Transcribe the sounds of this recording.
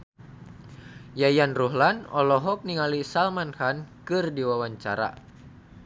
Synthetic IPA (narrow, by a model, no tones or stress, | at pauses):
jajanruɦlanɔlɔɦɔk̚niŋalisalmanhankɨrdiwawaɲt͡ʃaɾa̰